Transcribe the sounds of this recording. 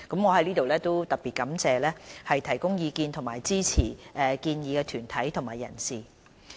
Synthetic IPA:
kɐ˨˥mŋɔː˨˧hɐ˨˥jliː˥t̪o˨wlɛː˥t̪o˥wt̪ɐ˨˩t̚piː˨t̚kɐ˨˥mt͡sɛː˧lɛː˥hɐ˨jt̪ʰɐ˨˩jkʊ˥ŋjiː˨˧kiː˧nt̪ʰʊ˨˩ŋmaː˨˩jt͡siː˥t͡sʰiː˨˩ʔɛː˨kiː˧njiː˨˧kɛː˧t̪ʰyː˨˩nt̪ʰɐ˨˥jt̪ʰʊ˨˩ŋmaː˨˩jɐ̰˨˩nsiː˨˩

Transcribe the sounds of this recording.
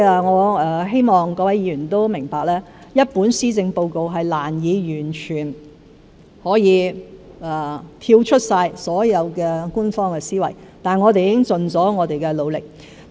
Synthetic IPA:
aː˧ŋɔː˨˧˥ɐː˧ɦe˥jmɔː˨ŋkɔː˧wɐ˨˥ji˨˧ɥyː˨˩nt̪o˥wmɪ˨˩ŋpaː˨k̚lɛː˥jɐ˥t̚puː˨˥nsiː˥t͡sɪ˧ŋpo˧wko˨wɦɐ˨jlaː˨˩njiː˨˧jyː˨˩nt͡ʃʰyː˨˩n | hɔː˨˥jiː˨˧aː˨˩t̪ʰiː˧wt͡ʃʰɵ˥t̚saː˧jsɔː˨˥jɐ˨˧wkɛː˧ku˥nfɔː˥ŋkɛː˧siː˥wɐ̰˨˩jt̪aː˨nŋɔː˨˧t̪e˨ji˦ɪ˥ŋt͡sɵ˨nt͡sɔː˨˥ŋɔː˨˧t̪e˨jkɛː˧lo˨˧wlɪ˨k̚

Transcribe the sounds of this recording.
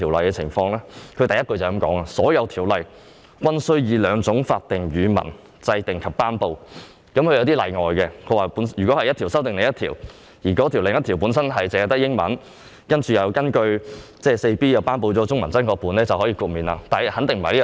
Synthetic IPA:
i˨˩wlɐ˨jkɛː˧t͡sʰɪ̰˨˩ŋfɔː˧ŋlɛː˥kʰɵ˨˧t̪ɐ˨jɐ˥t̚kɵ˧jt͡sɐ˨˩kɐ˨˥mkɔ̰ː˨˥ŋaː˧sɔː˨˥jɐ˨˧wt̪ʰiː˨˩wlɐ˨j | kʷwʷɐ˥nsɵ˥ɥjiː˨˧lœː˨˧ŋt͡sʊ˨˥ŋfaː˧t̚t̪ɪ˨ŋjyː˨˧mɐ̰˨˩n | t͡sɐ˧jt̪ɪ˨˩ŋkʰɐ˨pːaː˥npo˧w | kɐ˨˥mkʰɵ˧jɐ˧wt̪iː˥lɐ̰˨jŋɔː˨jkɛː˧kʰɵ˨˧˥waː˨pu˨˥njyː˨kɔ˨˥hɐ˨jt̪ʰiː˨˩sɐ˥wt̪ɪ˨ŋne˨jɐ˥t̪ʰḭː˨˩w | jiː˨˩kɔː˨˥t̪ʰi˨˩wlɪ˨ŋjɐ˥t̪ʰiː˨˩wpuː˨˥nsɐ˥nɦɐ˨jt͡sɛ˨˧˨t̪ɐ˥k̚jɪ˥ŋmɐ̰˨˥n | kɐ˥nt͡ʃyː˨jɐ˨˧wkɐ˥nkɵ˧ɥt͡sɛː˥se˧jpiː˥jɐ˨wpaː˥npo˧wt͡sɔː˨˥t͡sʊ˥ŋmɐ˨nt͡sɐ˥nkɔː˧k̚puː˨˧nɛː˥t͡sɐ˨wɦɔː˨˥jiː˧kuː˧t̚miː˨nla̰ː˧t̪aː˨˩jɐ˨˩hɐ˨˥nt̪ɪ˨ŋm̩ː˨˩li˥

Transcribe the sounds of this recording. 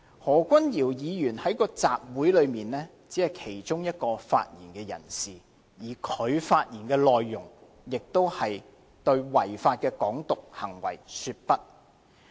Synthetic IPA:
hɔː˨˩kʷɐ˥njiː˨˩wjiː˨˧jyː˨˩nhɐ˨˥jkɔː˧t͡saː˨p̚wu˨˥jlɵ˨˧ɥmiː˨nlɛː˥ | t͡siː˨˥hɐ˨jkʰe˨˩jt͡ʃʊ˥ŋjɐ˥t̚kɔː˧fa̰ː˧t̚jiː˨˩nkɛː˧jɐ̰˨˩nsiː˨˩ | jiː˨˩kʰɵ˨˧ɥfaː˧t̚jiː˨˩nkɛː˧lɔː˨jːʊ˨˩ŋ | jɪ˨k̚t̪o˥whɐ˨j | t̪ɵ˧ɥwɐ˨˩jfaː˧t̚kɛː˧kɔː˨˥ŋt̪ʊ˨k̚hɐ˨˩ŋwɐ̰˨˩jsyː˧t̚pɐ˥t̚

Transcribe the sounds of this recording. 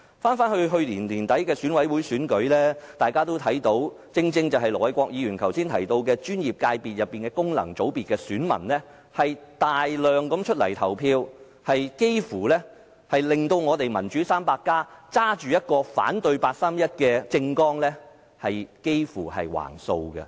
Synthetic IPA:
faː˥nfaː˥nhɵ˧ɦɵ˧ɥliː˨˩nliː˨˩nt̪ɐ˨˥jkɛː˧syː˨˥nwɐ˨˥jwuː˨˥jsyː˨˥nkɵ˨˥ɥlɛː˥t̪aː˨˩jkaː˥t̪o˥wt̪ʰɐ˨˥jt̪o˨˧˥w | t͡sɪ˧ŋt͡sɪ˧ŋt͡sɐ˨wɦɐ˨jlɔː˨˩wɐ˨˥jkɔː˧k̚jiː˨˧jyː˨˩nkʰɐ˨˩wsiː˥nt̪ʰɐ˨˩jt̪o˧wkɛː˧t͡ʃyː˥njiː˨p̚kaː˧jpiː˨t̚jɐ˨pːiː˨nkɛː˧kʊ˥ŋlɐ̰˨˩ŋt͡so˨˥wpiː˨t̚kːɛː˧syː˨˥nmɐ̰˨˩nlɛː˥ | hɐ˨jt̪aː˨jlœː˨˩ŋkɐ˨˧˥mt͡ʃʰɵ˥t̚lɐ̰˨˩jt̪ʰɐ˨˩wpʰiː˧w | hɐ˨jke˥jfuː˨˩lɛː˥ | hɐ˨jlɪ˨ŋt̪o˧wŋɔː˨˧t̪e˨jmɐ˨˩nt͡ʃyː˨˥saː˥mpaː˧kːaː˥t͡saː˥t͡ʃyː˨jɐ˥t̚kɔː˧fa̰ː˨˥nt̪ɵ˧ɥpaː˧t̚saː˥mjɐ˥t̚kɛː˧t͡sɪ˧ŋkɔː˥ŋlɛː˥ | hɐ˨jke˥jfuː˨˩hɐ̰˨jwa̰ː˨˩ŋso˧wɡɐ̰˧

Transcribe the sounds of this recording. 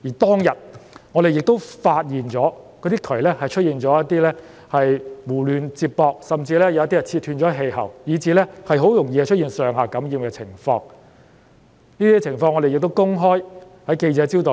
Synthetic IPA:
jiː˨˩t̪ɔː˥ŋjɐ˨t̚ŋɔː˨˧ɾe˨jɪ˨k̚t̪o˥wfaː˧t̚jiː˨nt͡ʃɔː˨˥kɔː˨˧˥t̪iː˥k̪ʰɵ˨˩ɥlɛː˥hɐ˨jt͡ʃʰɵ˥t̚jiː˨nt͡ʃɔː˨˥jɐ˥t̪ːiː˥lɛː˥ | hɐ˨jmuː˨˩lyː˨˧nt͡siː˧t̚pɔː˧k̚sɐ˨mt͡siː˧lɛː˥jɐ˨wɐ˥t̪iː˥ɐ˨˩t͡sʰiː˧t̚hyː˧nt͡ʃɔː˨˧˥ɐ˥ɦe˧jɦɐ̰˨˩wjiː˨˧t͡siː˨˧lɛː˥hɐ˨jɦo˨˥wjʊ˨˩ŋjiː˧ɐ˧t͡ʃʰɵ˥iː˨nsœː˨ŋɦaː˨kɐ˨˥mjiː˨˧mkɛː˧t͡sʰɪ̰˨˩ŋfɔ̰ː˧ŋ | niː˥t̪iː˥t͡sʰɪ˨˩ŋfɔː˧ŋɔː˨˧de˨jɪ˨k̚t̪o˥wkʊ˥ŋɦɔː˥j | hɐ˨˥jke˧jt͡sɛː˨˧˥t͡siː˥wt̪oː˨

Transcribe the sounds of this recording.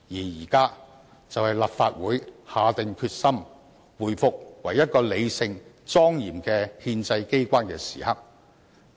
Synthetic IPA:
jiː˨˩jiː˨˩kaː˥ | t͡sɐ˨whɐ˨jlɐ˨pfaː˧t̚wuː˨˥jhaː˨˧t̪ɪ˨ŋkʰyː˧t̚sɐ˥m | wuː˨˩jfʊ˨k̚wɐ˨˩jːɐ˥t̚kɔː˧le˨˧jsɪ˧ŋ | t͡sɔː˥ŋjiː˨˩mkɛː˧hiː˧nt͡sɐ˧jke˥jkʷaː˥nkɛː˧sḭː˨˩hɐ˥k̚

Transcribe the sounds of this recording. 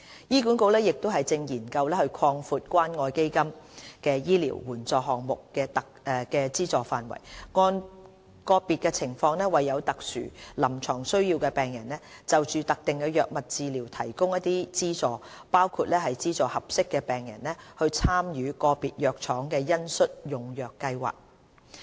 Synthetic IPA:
jiː˥kuː˨˥nko˧wlɛː˥jɪ˨k̚t̪o˥wɦɐ˨jt͡sɪ˧ŋjiː˨˩nkɐ˧wlɛː˥hɵ˧ɥkʰɔː˧ŋfuː˧t̚kʷwaː˥nŋɔː˧jke˥jkɐ˥mkɛː˧jiː˥lḭː˨˩wːuː˨˩nt͡sɔː˨˩ɦɔː˨ŋ̚mʊ˨kːɛː˧t̪ɐ˨˧ | kɛː˧t͡siː˥t͡sɔː˨˩faː˨nwɐ̰˨˩jŋɔː˧n | kɔː˧piː˨t̚kɛ˧t͡sʰɪ˨˩ŋfɔː˧ŋnɛː˥wɐ˨jːɐ˨˧wt̪ɐ˨k̚sy̰ː˨˩lɐ˨˩mt͡ʃʰɔː˨˩ŋsɵ˥ɥjiː˧wkɛː˧pɛː˨ŋjɐ˨˩nlɛː˥t͡sɐ˨wt͡ʃyː˨˧t̪ɐ˨k̚t̪ɪ˨ŋkɛː˧jœː˨k̚mɐ˨t̚t͡siː˧liː˨˩wt̪ʰɐ˨˩jkʊ˥ŋjɐ˥t̪̚iː˥t͡siː˥t͡sɔː˨˧paː˥wkʰuː˧t̚lɛː˥ɦɐ˨jt͡siː˥t͡sɔː˨hɐ˨p̚sɪ˥kːɛː˧pɛː˨ŋjɐ̰˨˩nlɛ˥hɵ˧ɥt͡sʰaː˥mjyː˨˧kɔː˧piː˨t̚jœː˨˩k̚t͡ʃʰɔː˨˥ŋkɛː˧jɐ˥nsɵ˥t̚jʊ˨ŋjœː˨kːɐ˧jwa̰ː˨k̚

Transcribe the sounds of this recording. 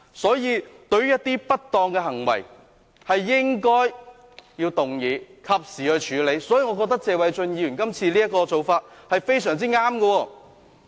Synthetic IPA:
sɔː˨˥jiː˨˧t̪ɵ˧ɥjɐ˥t̚t̪iː˥pɐ˥t̚t̪ɔː˧ŋkɛ˧ɦɐ˨˩ŋwɐ̰˨˩j | hɐ˨jːɪ˥ŋkɔː˥j | jiː˧wt̪ʊ˨ŋjiː˨˧kʰɐ˨p̚siː˨˩hɵ˨˧t͡ʃʰyː˨˥le˨˧jsɔː˨˥jiː˧ŋɔː˨˧kɔ˧k̚t̪ɐ˥k̚t͡sɛː˨˧wɐ˨˧jt͡ʃɵ˧njiː˧ɥy˨˩nkɐ˥mt͡sʰiː˧liː˥jɐ˥t̚kɔː˧t͡so˨˧wfaː˧t̚hɐ˨jfe˥jsœː˨˩ŋt͡siː˥ŋaː˥mɡɐ˧wɔː˧

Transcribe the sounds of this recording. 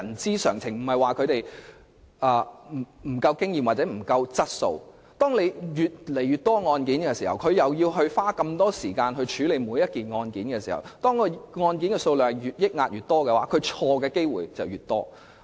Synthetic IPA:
jɐ˨˩nt͡siː˥sœː˨˩ŋt͡sʰɪ˨˩ŋm̩˨˩hɐ˨jwaː˨kʰɵ˨˧ɥt̪e˨j | ʔɐː˨˧m̩˨˩m̩˨˩kɐ˧wkɪ˥ŋjiː˨maː˨t̚t͡sɛː˨˥m̩˨˩kɐ˧wt͡sɐ˥t̚so̰˧w | t̪ɔː˥ŋle˨˧jjyː˨t̚le˨˩jɥyː˨˩t̪ɔː˥ŋɔː˧nkiː˨˥nkɛ˧siː˨˩hɐ˨˩wkʰɵ˨˧ɥjɐ˨wjiː˧wɦɵ˧ɥfaː˥kɐ˧mt̪ɔː˥siː˨˩kaː˧nɦɵ˧t͡ʃʰyː˨˥le˨˧jmuː˨˧jɐ˥t̚kiː˨nŋɔː˧nkiː˨˥nkɛː˧siː˨˩hɐ̰˨˩wt̪ɔː˥ŋkɔ˧ŋɔː˧nkiː˨˥nkɛː˧so˧wlœː˨hɛ˨˩jyː˨˩t̚jɪ˥k̚ŋaː˧t̚jyː˨˩t̪ɔː˥kɛː˧wa̰ː˨˥kʰɵ˨˧ɥt͡ʃʰɔː˧kɛː˧ke˥jwuː˨jt͡sɐ̰˨˩wjyː˨˩t̚t̪ɔ̰ː˥

